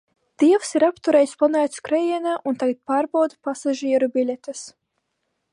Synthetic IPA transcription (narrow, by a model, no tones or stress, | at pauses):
d̪̥iɛwsiɾapt̪uɾɛjsplˠanaːt̪skɾɛjiɛnaʔunt̪aɡat̪̚paːɾbawd̪pasaʒiɛɾubʲilʲɛt̪ɨs